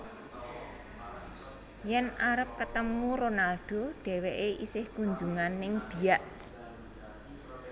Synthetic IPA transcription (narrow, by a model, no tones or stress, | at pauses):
jɛnaɾəp̚kət̪əmuɾonalɖ̥o̤ɖ̥e̤weʔeʔisɪhkuɲd͡ʒuŋanːɪŋb̥i̤aʔ